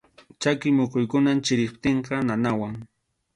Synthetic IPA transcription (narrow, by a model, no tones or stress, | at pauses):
t͡ʃakɪmoqʊjkʊnant͡ʃɪɾɪpt̪eɴqɑnanawaŋ